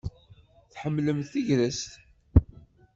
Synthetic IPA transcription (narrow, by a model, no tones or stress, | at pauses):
θħəmːləmθθiʝlæst̪